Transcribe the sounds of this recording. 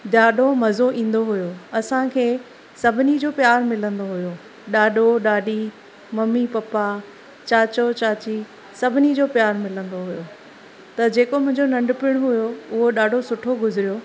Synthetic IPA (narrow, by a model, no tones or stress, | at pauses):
ɗaːɗʱomɐzoʔĩːn̆d̪oɦʊjoɐsãkʰeː | sɐbʱɪnid͡ʑoːpjaːɾmɪlə̃nd̪oɦʊjoː | ɗaːɗʱoɗaːɗi | mɐmːipɐpa | t͡ɕaːt͡ɕot͡ɕaːt͡ɕi | sɐbʱɪnid͡ʑoːpjaːɾmɪlə̃nd̪oɦʊjoː | t̪ɐd͡ʑeːkomʊ̃ɦɪ̃ɲd͡ʑonɐ̃ɳɖpɪɽ̃ɦʊjoʊɦoɗaːɖʱosʊʈʰoɡʊzɪɾijo